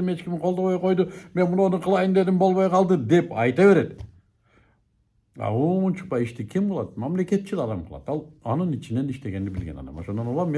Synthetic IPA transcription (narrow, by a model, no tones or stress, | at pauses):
ime̞t͡ʃkʲimqʰolˠd̪o̞βojqo̞jd̪ume̞nmunonuqʰɯlˠɑjɯnd̪e̞limbo̞lˠβojqʰɑlˠd̪ɯd̪e̞pɑjt̪ɑβe̞ɾe̞t̪ | ɑ̰omunt͡ʃu̥pɑjiʃt̪ikʰimbolˠɑt̪̚mɑmle̞ke̞t̪̚t͡ʃʰilɑd̪ɑmqʰɯlˠɑ̰t̪ɑlˠɑnɯnit͡ʃine̞niʃt̪e̞ɡe̞nd̪ibilɡe̞nɑ̰d̪ɑ̰moʃond̪onulˠɑmmːe